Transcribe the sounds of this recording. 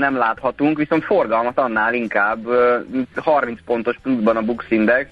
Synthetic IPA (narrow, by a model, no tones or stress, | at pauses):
nɛmlaːt̪hɒt̪uŋkʋiso̞nt̪fo̞rɡɒlmɒt̪ɒnːaːliŋkaːbː | hɒrmint̪spo̞n̪t̪o̞ʃplud̪bɒnɒbuksind̪ɛks